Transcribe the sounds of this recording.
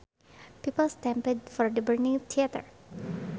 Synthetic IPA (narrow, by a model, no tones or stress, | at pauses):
pipəlstɛ̃mpɛd̚fɔɹdəbəɹnĩŋt̪ʰiat̪ə̰ɹ